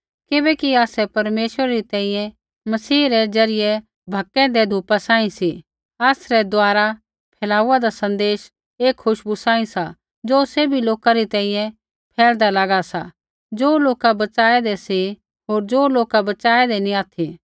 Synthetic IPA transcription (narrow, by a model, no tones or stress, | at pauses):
kɪbɛkiaːsɛpɐɾmeːʃwəɾaɾit̪ɛ̃ːĩjɛ̃ | mɐsiːɾɛd͡ʒɐɾɪjɛ | bʱɐkːɛ̃d̪ɛd̪ʱuːpasãːĩsi | aːsɾɛd̪ʊaːɾa | pʰɛːlaːuːad̪asɐ̃nd̪eːʃ | eːkʰːʊʃbusãːĩsa | d͡ʒoːsebʱiloːkaɾit̪ɛ̃ːĩjɛ̃ | pʰɛːld̪alaɡasa̰ | d͡ʒoːloːkabɐt͡ʃaːɛd̪ɛsi | ɦoːɾd͡ʒoːloːkabɐt͡ʃaːɛd̪ɛnĩaːt̪ʰi